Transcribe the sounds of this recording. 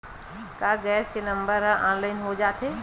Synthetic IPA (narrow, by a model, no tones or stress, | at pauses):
kaːɡɛːskenə̃mbəɾɦãʔaːnlaːɪnɦod͡ʒaːt̪ɦeː